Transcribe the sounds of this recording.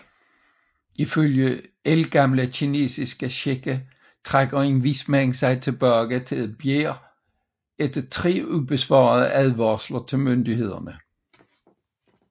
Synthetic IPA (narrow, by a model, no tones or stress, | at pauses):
iføljəelɡ̥ɑ̈mləɕʰine̝̰ːsisɡ̥əɕeɡ̥ə | t͡sʰʁaɡ̥ɐenʋismæŋsɑ̈ɪt͡sʰe̝b̥œɐɡ̥ət͡sʰe̝læb̥jeːɐ | ed̥t͡sʰʁḛːub̥esʋɑ̰̈ːðˠəʔæðˠʋɑslɐt͡sʰe̝lmønd̥ihe̝ð̞ˠɐ̰nə